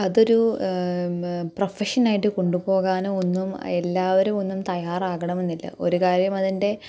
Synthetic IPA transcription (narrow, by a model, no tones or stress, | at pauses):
ɐðo̞ɾu | prɐfɐʂɐnaːjiʈːɨko̞ɳɖupo̞ːɣaːnuo̞nːume̞lːaːʋɐɾumo̞nːumt̪ɐjaːraːɣɐɳɐme̞nːilːɐ̰ʔo̞̰ɾukaːɾjɐmɐðinde̞